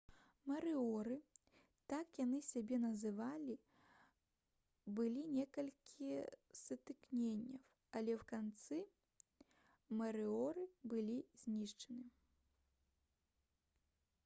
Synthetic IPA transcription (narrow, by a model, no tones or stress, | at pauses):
mɐɾɨɔɾɨ | t̪akjanɨsʲabʲɛnɐzɨvalʲi | bɨlʲinʲɛkɐlʲkʲʰisɐt̪ɨknʲenʲːɐw | ɐlʲɛwkant̪sɨ | mɐɾɨɔɾɨbɨlʲizʲnʲiʂt͡ʂɐnɨ